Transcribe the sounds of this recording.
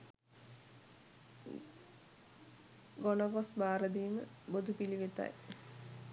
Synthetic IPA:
ɡonoɡosbaːɾəd̪iːmə̰bod̪upiliʋet̪a̰j

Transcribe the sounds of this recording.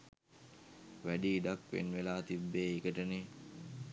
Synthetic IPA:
ʋæɖiːɖakʋḛnʋelaːt̪ibːeːeɡəʈəne

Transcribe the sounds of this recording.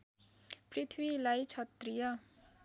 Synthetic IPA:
prit̪ʰwilajt͡sʰʌt̪rijʌ

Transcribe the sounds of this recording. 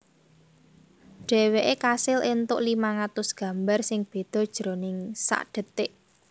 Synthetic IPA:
ɖ̥ɛ̤weʔekasɪlʔent̪ʊʔlimaŋat̪ʊsɡ̥ä̤mbarsɪŋb̥e̤d̪̥ɔ̤d̥ʒ̥ɾonɪŋsa̰ʔɖ̥ə̤t̪ɪʔ

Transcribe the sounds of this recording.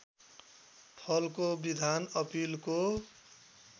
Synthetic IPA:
pʰʌlkobid̪ʱanʌpilko

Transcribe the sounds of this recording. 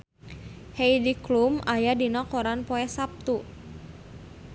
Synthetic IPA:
hejdiklumajadinɔkɔɾanpɔɛsap̚t̪u

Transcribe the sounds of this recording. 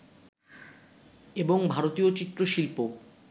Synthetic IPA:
eboŋbʱaɾot̪iot͡ɕit̪ːɾoʃilpo

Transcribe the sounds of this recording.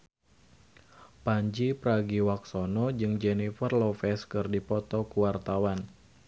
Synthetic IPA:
paɲd͡ʒipɾaɡiwak̚sɔnɔd͡ʒɨŋd͡ʒɛnifərlɔfɛskɨrdipɔt̪ɔkuwart̪awan

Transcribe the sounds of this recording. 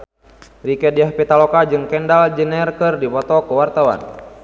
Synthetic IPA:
rikɛdiahpit̪alɔkad͡ʒɨŋkɛndald͡ʒənɛrkɨrdipɔt̪ɔkəwart̪awa̰n

